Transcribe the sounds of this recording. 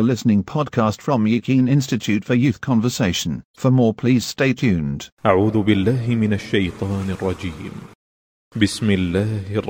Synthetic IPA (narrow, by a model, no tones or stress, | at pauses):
əlɪsnɪ̃ŋpʰɔd̚kʰɑstfɹə̃mjʉkʰĩnɪ̃nstɨtʰʉtfəjʉˑθkʰɑ̃ɱvəseɪʃə̃n̩fəmɔːɹpʰl̥iz̥steɪt͡ʃʰʉ̃nd̥ʔaʕuːðʊbɪlːaːɦɪmɪnaʃːajt̪ˤɑːnɑrˤːɑd͡ʒiːm | bɪsmɪlːaːh